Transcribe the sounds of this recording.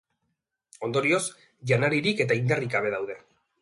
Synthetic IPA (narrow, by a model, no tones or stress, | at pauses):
o̞nd̪o̞ɾio̞s | ʝanaɾiɾike̞t̪aind̪arikaβe̞ðawðe̞